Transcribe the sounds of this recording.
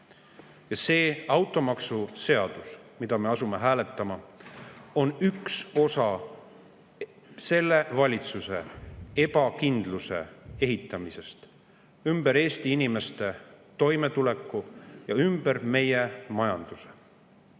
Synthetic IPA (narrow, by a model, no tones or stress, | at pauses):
jɑse̞ːɑwt̪ˑo̞mɑksuse̞ɑd̪̥usmid̪ɑme̞ɑsume̞ɦæːle̞t̪ːˑɑmɑ | o̞nykso̞sɑ | se̞lːe̞vɑlʲit̪suse̞̰e̞b̥ɑkind̪luse̞̰e̞ɦit̪ːˑɑmise̞st̪ | ymb̥eɾe̞ːst̪iinime̞st̪e̞t̪o̞jme̞t̪ule̞kːˑujɑymb̥eɾme̞jemɑjɑnd̪̥use̥